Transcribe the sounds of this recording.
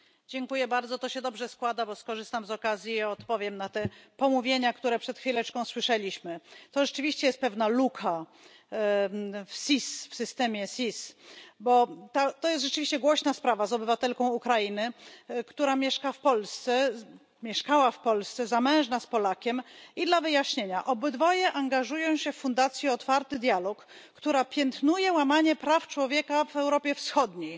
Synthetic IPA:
d͡ʑɛŋkujɛbaɾd̪zɔt̪ɔɕɛd̪ɔbʐɛskwad̪abɔskɔʐɘst̪amzɔkazʲjiɔt̪pɔvʲjɛmnat̪ɛpɔmuvʲjeɲakt̪uɾɛpʂɛt̪xfʲilɛt͡ʂkɔ̃w̃swɘʂɛlʲiɕmɘt̪ɔʐɛt͡ʂɘvʲiɕt͡ɕɛjɛst̪pɛvnalukʰa | fsʲisfsɘst̪ɛmʲjɛsʲisbɔt̪at̪ɔjɛst̪ʐɛt͡ʂɘvʲiɕt͡ɕɛɡwɔɕnaspɾavazɔbɘvat̪ɛlkɔ̃w̃ukɾainɘkt̪uɾamʲjɛʂkafpɔlst̪sɛ | mʲjɛʂkawafpɔlst̪sɛzamɛ̃w̃ʐnaspɔlakʲɛmid̪lavɘjaɕɲeɲaʔɔbɘd̪vɔjɛʔaŋɡaʐujɔ̃w̃ɕɛffund̪at̪sʲjiɔt̪faɾt̪ɘd̪ʲjalɔkː | t̪uɾapʲjɛnt̪nujɛwamaɲɛpɾaft͡ʂwɔvʲjɛkavɛwɾɔpʲjɛfsxɔd̪ɲej

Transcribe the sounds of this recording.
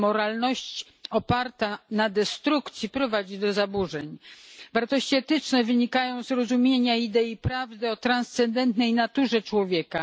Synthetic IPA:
mɔɾalnɔɕt͡ɕ | ɔpaɾt̪anad̪ɛst̪ɾukt̪sʲjipɾɔvad͡ʑid̪ɔzabuʐɛɲvaɾt̪ɔɕt͡ɕiɛt̪ɘt͡ʂnɛvɘɲikajɔ̃w̃zɾɔzumʲjeɲaid̪ɛipɾavd̪ɛɔt̪ɾanst̪sɛnd̪ɛnt̪nɛjnat̪uʐɛt͡ʂwɔvʲjɛka

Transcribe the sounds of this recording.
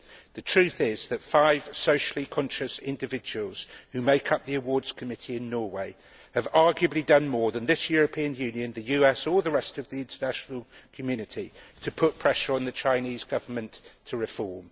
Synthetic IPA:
ðətʰɹ̥ʉˑθɪz̥ðətfaɪv̥soʊʃəlˠikʰɒ̃nʃəsɪ̃ndɪvɪd͡ʒəwəlˠz̥hʉmeɪkʰʌp̚ðiəwɔːdz̥kʰəmɪtʰiɪ̃nːɔːweɪ | əvɑɹɡjəblidʌ̃nmɔːɹðə̃nðɪsjɔːɹəpʰĩə̃njʉ̃ːnjɨ̃nðɨjʉːɛsəðəɹɛstəvðiɪ̃ntʰənaʃnəlˠkʰəmjʉːnɪtʰitʰəpʰʊʔ̚pʰɹ̥ɛʃəɹə̃nðət͡ʃʰãɪ̃niːzɡʌvəmə̃nttʰəɹɪfɔːɹm

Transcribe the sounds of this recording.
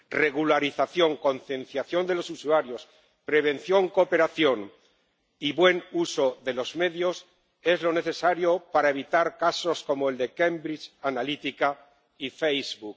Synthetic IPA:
re̞ɣ̞ulaɾiθaθjo̞ŋko̞nθjẽ̞nθjaθjo̞nd̪e̞lo̞susuaɾjo̞s | pɾe̞β̞ẽ̞nθjo̞ŋko̞pe̞ɾaθjo̞ŋ | iβwe̞nuso̞ðe̞lo̞zme̞ðjo̞s | e̞zlo̞ne̞θe̞saɾjo̞paɾae̞β̞it̪aɾkaso̞sko̞moe̞ld̪e̞ke̞mbɾit͡ʃanalit̪ika | ifejzβuk

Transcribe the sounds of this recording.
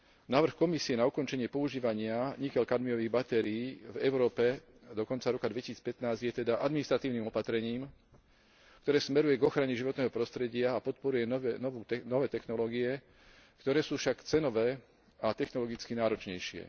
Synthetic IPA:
naːʋr̩xkɔmisiɛnaukɔnt͡ʃɛɲɪɛpɔuʒiːʋaɲɪaɲikɛlkad̪miɔʋiːɣbat̪ɛɾiːvɛʊɾɔːpɛ | d̪ɔkɔnt͡saɾɔkad̪ʋɛcisiːt͡spɛt̪naːzɟjɛt̪ɛd̪aʔad̪minist̪ɾat̪iːʊniːmɔpat̪ɾɛɲiːm | k̚t̪ɔɾɛːsmɛɾujɛɡɔxɾaɲɛʒiʋɔt̪nɛːɦɔpɾɔst̪ɾɛɟɪaːpɔt̪̚pɔɾujɛɔnɔʋuːɛnɔʋɛːt̪ɛxnɔlɔːɡijɛ | kt̪ɔɾɛːsuːfʃakt͡sɛnɔʋɛː | at̪ɛxnɔlɔɡit͡skinaːɾɔt͡ʃɲɛjʃɪɛ̰

